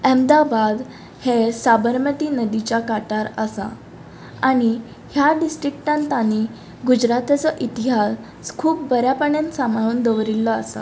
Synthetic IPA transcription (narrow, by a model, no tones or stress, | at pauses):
əmd̪abad̪ | hesabəɾmət̪iːnəd̪it͡ɕakaʈaɾəsa̰ | aɽ̃i | hjaɖisʈɾik̚ʈãnt̪ani | ɡud͡ʑɾat̪at͡sɔʔit̪iɦas | skʰuːpbəɾjapəɳənsamaɭ̃uːnd̪əʋɾilːɔasa̰